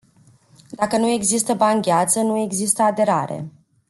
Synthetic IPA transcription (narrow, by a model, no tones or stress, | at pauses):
d̪akənue̞ɡzist̪əbaŋɡʲeat̪sənue̞ɡzist̪əad̪e̞ɾaɾe̞̰